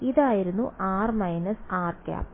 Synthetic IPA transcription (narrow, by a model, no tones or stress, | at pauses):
iðaːjiɾunːuʔaːrmɐjnɐsaːrkʲa̰ːp